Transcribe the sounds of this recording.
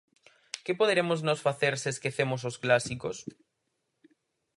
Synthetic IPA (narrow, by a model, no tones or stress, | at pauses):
kepoðeɾemoznosfaθeɾseeskeθemos̬osklasikos